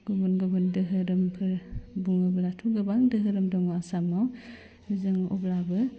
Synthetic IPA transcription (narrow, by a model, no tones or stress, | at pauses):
ɡ̥ɔbɔnɡɯbɯndɯɦɯɾɯmpʰɯɾbuŋɯblatʰuɡɯbaŋdɯɦɯɾɯmdɔŋwasamaw | nizɯŋɔ̰blabɯ